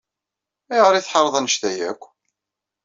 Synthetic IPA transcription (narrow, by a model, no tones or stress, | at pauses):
æjəʁəɾiθħɑɾˤðˤænəʃt̪æjækʷː